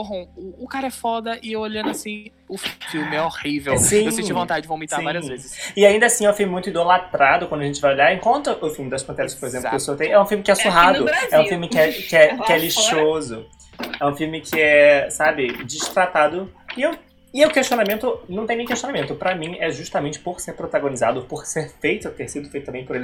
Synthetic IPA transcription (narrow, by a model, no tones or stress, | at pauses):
oɦõʊːkaɾɐɛfɔd̪ɐɪewoʎɐ̃nd̪ʊasĩ | ʊfiwmɪɛohivewsĩsẽivõt̪ad͡ʒɪd͡ʒɪvõw̃miaɾĩvãiɐzezɪsɪaĩnd̪ɐasĩɛwfimɪmũj̃t̪ʊid̪olat̪ɾad̪ʊkwɐ̃nd̪ʊɐʒẽt͡ʃɪvajoʎaɾẽŋkõnt̪ɾɐʔʊfiwmɪd̪ɐsʃpɐ̃t̪ɛɾɐskɪ̥poɾezẽplʊkesot̪ẽj̃ɛũfilmɪkɪɛsuɦad̪ʊɛũfiuwmɪkɪɛkɪɛkɪɛliʃozʊ | ɛũfiwmɪkʰɪɛsabɪd͡ʒiʃt̪ɾat̪ad̪ʊɪew | ɪʊkeʃt͡ʃionamẽnt̪ʊnɐ̃w̃t̪ẽj̃nẽj̃keʃt͡ʃionamẽnt̪ʊpɾɐmĩɛʒuʃt̪amẽt͡ʃɪ̥poɾseɾpɾot̪aɡonizad̪ʊpʊɾseɾfejt̪ʊat̪eɾsid̪ʊfejt̪ʊɐ̃bẽj̃pʊɾelɪ